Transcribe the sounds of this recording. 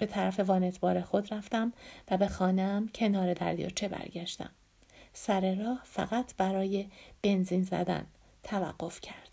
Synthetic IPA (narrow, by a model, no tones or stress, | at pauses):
b̥e̞t̪ʰæɾæfe̞vɒːnet̪ʰbɒːɾe̞xo̞d̪ɾæft̪æmvæbe̞xɒːneæmcʰe̞nɒːɾe̞d̪æɾd̪ijɒ̰t͡ʃʰe̞bæ̰ɾɟæʃt̪æ̰m | sæɾe̞ɾɒːhfæ̰ɣæt̪ʰb̥æɾɒːje̞b̥e̞nziːnzæ̰d̪æ̰n | t̪ʰævæ̰ɢːo̞fcʰæɾd̪̥